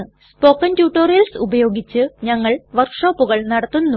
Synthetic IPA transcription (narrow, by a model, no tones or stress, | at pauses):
ɨ | spo̞ːkːɐntjuːʈːo̞ːrijɐlsubɐjo̞ːɡit͡ɕːɨɲɐŋːɐɭʋɐrkʂo̞ːpːuɣɐɭnɐɽɐt̪ːunː